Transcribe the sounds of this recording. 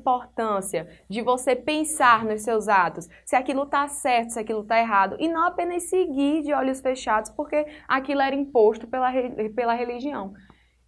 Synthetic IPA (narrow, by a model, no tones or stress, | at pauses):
poɾt̪ɐ̃siɐ | d͡ʒɪvosepẽsaɾnʊssewzat̪ʊsːɪakilʊt̪asɛɾt̪ʊ̥sɪakilʊt̪aeɦad̪ʊʔɪnɐ̃w̃apẽnɐssɪɡiɾd͡ʒɪɔʎʊsfeʃad̪ʊspoɾkeakilʊɛɾɐĩpoʃt̪ʊpelɐɦepelɐɦeliʒiɐ̃w̃